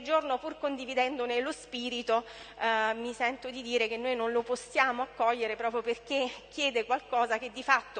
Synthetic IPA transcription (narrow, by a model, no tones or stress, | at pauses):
ld͡ʒornopurkond̪ivid̪ɛnd̪onelospiːɾit̪o | misɛnt̪od̪id̪iːɾek̟enːoːjnonloposːjaːmoakːɔʎːeɾepɾɔːpɾjoperk̟ekːjɛːd̪ekwalkɔːzaked̪ːifat̪ːo